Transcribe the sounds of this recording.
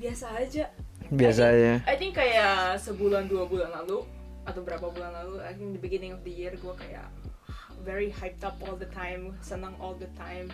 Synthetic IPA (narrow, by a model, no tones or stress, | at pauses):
biasaːd͡ʒa | bias̬ad͡ʒaʔajt̪ɪŋkːajasəbulanduabulanlalu | ʔat̪awbəɾapabulanlaluajt̪ɪ̃ŋd̪əbiɡɪnɪ̃ŋɔfd̪əjirɡuakaja̰ʔ | vɛɹihajp̚t̪apɔlˠd̪ət̪ʰãjmsənaŋʔɔld̪ət̪ʰãjm